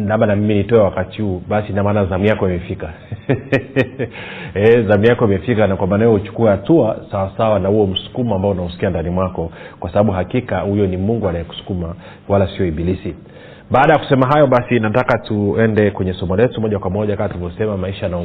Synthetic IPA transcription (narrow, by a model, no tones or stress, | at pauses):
lamanamiminitɔɛwakatihuːɓasinamaːnazamijakɔimɛfika | ɛzamijakɔimɛfikanakwamaːnawɛɔhut͡ʃu̥kuɛhatuasawasawanahuɔm̩su̥kumambaɔunausi̥kiandanimwakɔkwasaɓaɓuɦakikahujɔnimuŋɡuanajɛku̥su̥kuma | walasiɔiɓilisi | ɓaːɗajaku̥sɛmaɦajɔɓasinatakatuɛndɛkwɛɲɛsɔmɔlɛtumɔʄakwamɔʄakaatulivɔsɛmamaiʃana